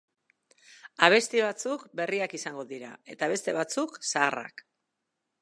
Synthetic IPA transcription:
aβ̞e̞st̪iβ̞at͡sukbe̞riakisaŋɡo̞ðiɾa̰e̞t̪aβ̞e̞st̪e̞β̞at͡suksaːra̰k

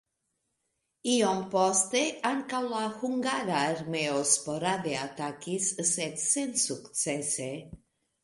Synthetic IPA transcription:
iompɔst̪eaŋkawlaxuŋɡaɾaeɾmeospoɾaðeat̪akisset̪sensuksese

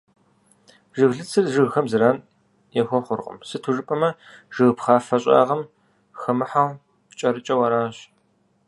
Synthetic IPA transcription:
ʒɨɣɮɨt͡sʰɨrʒɨɣxɐmzɨɾaːn | jɛxʷɔχʷʊrqʼə̰msɨtʰuʐɨpʼɐmɐ | ʒ̥ɨɣpχaːfɐɕʼa̰ːʁɐm | xɐmɨħaw | t͡ʃʼɐɾɨt͡ʃʼɐwɐɾaːɕ

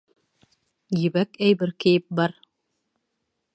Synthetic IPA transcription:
jɘ̆βækæjbɘɾkɘ̆jɘp̚bɑɾ

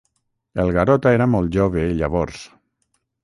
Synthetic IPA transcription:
elˠɣaɾɔt̪aeɾamɔlˠt̪ʒoβeiʎaβɔɾs

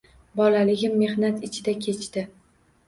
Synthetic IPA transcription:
bɒlalɪɡʲɪmːe̞hnat̪ɪt͡ʃʰɪd̪akʲʰe̞t͡ʃt̪ɪ

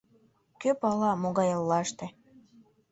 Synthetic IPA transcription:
køpɑlɑmoɣɑjəlːɑʃt̪ĕ

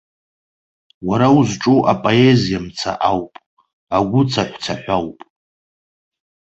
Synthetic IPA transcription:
waɾauzʈ͡ʂʼuʔapʼoe̞zijamt͡sʰa̰ʔawpʼ | aɡʷʊt͡sʰaħʷt͡sʰaħʷawpʼ

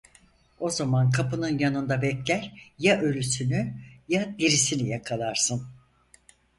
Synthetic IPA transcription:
o̞zamankʰapɯnɯnjanɯnd̪abɛclʲæɾjaʔø̞lʲysynyjad̪iɾisinijakʰalˠaɾsɯn

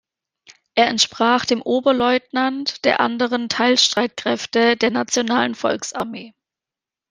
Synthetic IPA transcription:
ʔeːɐɛntʃpʁ̥aːχd̥eːmʔoːbɐlɔʏtnantd̥eːɐʔa̰ndəʁ̞əntʰaɪlʃtʁ̥aɪt̚kʁ̥ɛftədeːɐnat͡sjonaːlənfɔ̰lksʔaɐmeː

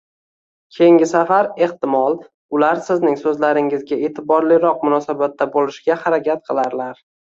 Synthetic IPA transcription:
kʲʰe̞jɪŋʲɪsafaɾe̞ht̪ɪmɒlˠ | ʊlaɾsɪznɪŋsɵzlaɾɪŋɪzɡʲae̞t̪ʰɪbɒɾlɪɾɒq̚mʊnɒsabat̪ːabolɪʃɡʲahaɾakʲʰat̪̚qʰɨlˠaɾlaɾ

